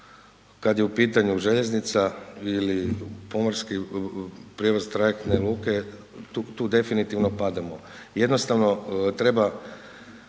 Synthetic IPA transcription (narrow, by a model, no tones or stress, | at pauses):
kad̪jeupiːt̪aɲuʒe̞ʎe̞znit̪sailipo̞maɾski | pɾʲijeʋozt̪ɾajek̚t̪nelˠuːke̞ | t̪uːt̪uːd̪e̞finit̪iʋno̞pad̪amo | je̞d̪no̞st̪aʋno̞t̪ɾe̞ba